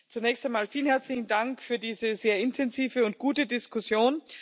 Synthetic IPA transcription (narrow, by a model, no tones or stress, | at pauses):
t͡sunɛːçstaɪmaːlfiːlənhɛɐt͡slɪçn̩daŋkfyːɐdiːzəzeːɐɪntʰɛnziːvəʊnt̚ɡ̥uːtədɪskʊsjoːn